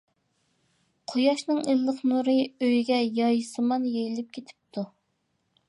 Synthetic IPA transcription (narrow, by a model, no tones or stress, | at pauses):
qʰojɑʃnɨŋilːəqnuɾɨøjɡʲɛjɑjsɨmɑnjejilɪp̚kʲʰet̪ʰɪ̥p̚t̪ʰu